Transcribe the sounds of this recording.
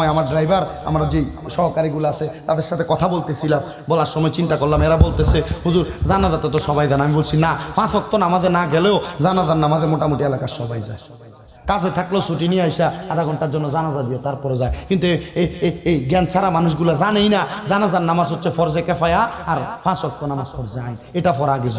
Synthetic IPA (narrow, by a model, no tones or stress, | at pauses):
eamaɾɖɾajbaɾa̰mɾad͡ʑe | ʃɔɦokaɾiɡulaaset̪ad̪eɾʃat̪ʰekɔt̪ʰabolt̪esʰilam | bɔlaɾʃɔmɔet͡ɕint̪akoɾlameɾabolt̪esʰehuzuɾzanazat̪et̪oʃɔbajd̪anamibolsʰinafʰãsɔk̚t̪onamad̪eɾnaɡɛleozanazannamazemoʈamuʈielakaɾʃɔbajza̰e | kaset̪ʰaklesoʈiniajʃaad̪aɡɔɳʈaɾd͡ʑɔnːozanazad̪ijot̪aɾpɔɾezaekint̪ueeejɡɛnt͡ɕʰaɾamanuʃɡulazanejnazanazaɾnamasɦot̪ːʃʰefɔɾzekɛfajaːɾfʰãsɔk̚t̪onamasfʰɔɾzeajneʈafɔɾaɡez